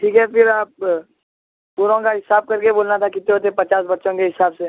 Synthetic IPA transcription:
ʈʰiːkɦɛfɪɾaːp̚ | puːɾõkaɦɪsaːb̚kɐɾkeboːlnat̪ʰakɪt̪eɦot̪̬epɐt͡ʃaːsbɐtːʃõkeɦɪsaːbse

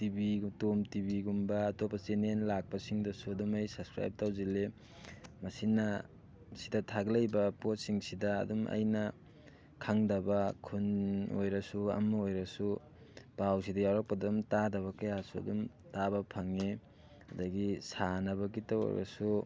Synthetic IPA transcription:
tibitomtibiɡumbɐːtopːɐsenenlak̚pɐsiŋdɐsuɐdumɐjsɐpskɾa̰jp̚tawzile | mɐsinːɐ | sidɐtʰaɡlɐjbɐpot̚siŋsidɐ̰ːdumʔɐ̰jnɐ | kʰaŋdɐbɐkʰuno̰jɾɐsuɐ̰mːaojɾɐsu | pawsidɐjawɾak̚pɐdumtadɐβɐkajasuɐ̰dum | tabɐpʰaŋe | ɐdɐɡisanɐβɐkitao̰jɾɐ̰su

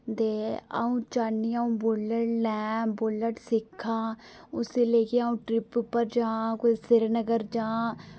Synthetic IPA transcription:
d̪eːa̰ũːt͡ʃaːnːiːaũːbʊləʈlɛ̃ːboləʈsɪkʰːaː | ʊseːləkeːaːũːʈɾɪppːəɾd͡ʒãːkoisɪɾnəɡəɾd͡ʒãː

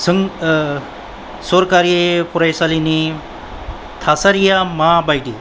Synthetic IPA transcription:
səŋ | soɾkaɾpuɾajsalini | t̪ʰasaɾjamabajɖi

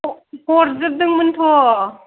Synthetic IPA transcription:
hɔɾzɯp̚d̪ɯŋmɯnt̪ʰɔ

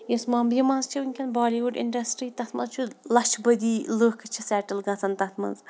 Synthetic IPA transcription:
jesmaːmbimɐ̃nzt͡ʃʰiunʲkʰʲɐnbaːliʋuɖḭɳɖɐsʈɾiːt̪ɐt̪ʰmɐ̰̃nzt͡ʃʰulɐt͡ʃʰbɐd̪iːloːhkɐt͡ʃʰisɛːʈɐlɡɐt͡sʰɐnt̪ɐt̪ʰmɐ̰nz

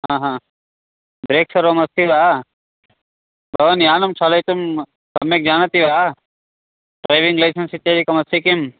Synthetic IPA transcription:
ɦãːɦãː | b̪ɾeːksɐɾʋomɐst̪ʰiʋaː | bɐʋɐnjaːnɐmt͡ʃʰalɐjt̪um | kɐmːeːk̚d͡ʒaːnɐt̪iʋaː | ʈɾaːjʋiŋɡlajsɐnsit̪ːaːɾikɐmɐst̪ʰikim

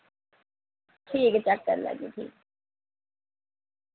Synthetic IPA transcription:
ʈʰiːkt͡ʃɛkːəɾlə̰ɡḭːʈ̪ʰḭːk

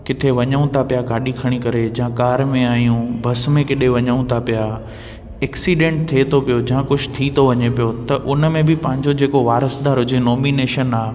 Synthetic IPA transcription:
kɪt̪ʰeʋɐɲəʊ̃t̪ʰapijaɡaːɗikʰɐɽ̃ikɐɾed͡ʑɐãkaːɾmẽaːijũbʱɐsmẽkɪɗeʋɐɲəũt̪ʰapija | ɛːksiːɖẽːɳʈ̚t̪ʰiet̪ʰopijod͡ʑɐãkʊd͡ʑʱt̪ʰit̪ʰoʋɐɲepijot̪ɐʔʊnəmẽbɪpɐ̃ɦɪ̃ɲd͡ʑod͡ʑeːkoʋaːɾəsd̪aːɾɦʊd͡ʑenoːmineːʃənaː

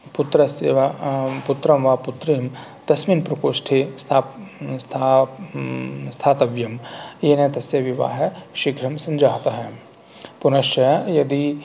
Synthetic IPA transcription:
put̪ɾɐseːʋaput̪ɾɐmʋaːput̪ɾeːm | t̪ɐsminpɾɐkoːʃʈʰest̪ʰaːst̪ʰa | st̪ʰaːt̪ɐʋjɐmjeːnɐ̃t̪ɐsjɐʋiʋa̰ːɦɐʃiɡʱɾɐmsɐnd͡ʒaːt̪ɐɦɛ | pʊnɐʃɐjɐd̪i

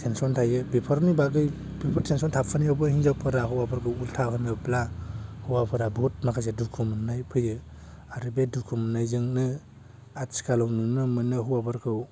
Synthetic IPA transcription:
tʰensɔntʰajɯbipʰɔɾmibaɡɯj | bipʰɔɾtʰensɔntʰapʰɯnijawbɯhiŋzapʰɯɾaɦuwapʰaɾkʰɯwultʰaɦɯnɯblahuwapʰɯɾabɔt̚makʰazedukʰumnajpʰɯjɯ | aɾɯbedukʰumnajzɯŋnɯ | atsi̥kalɔwnɯnɯmɯnɯɦuwapʰɯɾkʰɯw

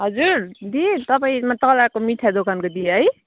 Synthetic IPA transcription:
ɦʌd͡zuɾd̪it̪ʌpaĩmat̪ʌlakomiʈʰad̪okankod̪ijɦʌj

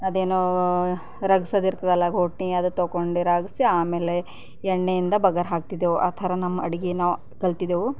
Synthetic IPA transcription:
ɐd̪eːnu | ɾɐɡisɐd̪iɾt̪ɐd̪ɐlːɐɡʱoːʈniɐd̪ut̪oːkoɳɖiɾaːɡisiaːmeːle | ɛɳːejind̪ɐbɐɡɐɾɦaːk̚t̪id̪eʋuʔɐt̪ʰɐɾɐnɐmːɐɐɽiɡinaː | kɐlt̪id̪eʋu

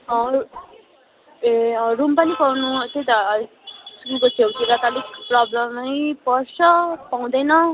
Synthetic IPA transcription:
ʌ | erumpʌnipawnut̪ʰet̪ʌ | sɾikʌt͡sʰewt̪ʰiɾat̪alikprʌblʌmʌjpʌrsʌpaw̃d̪ʌjnʌ

